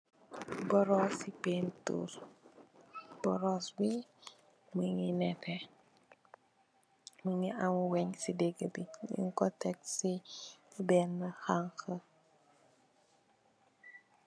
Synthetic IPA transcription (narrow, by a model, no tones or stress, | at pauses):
bɔɾɔsipeːntṵɾ | b̥ɔ̰ɾɔswi | məŋinɛtɛ | məŋiʔamuwɛɲsideɡəbiḭŋkɔtɛk̚si | bɛːnːəxaŋxə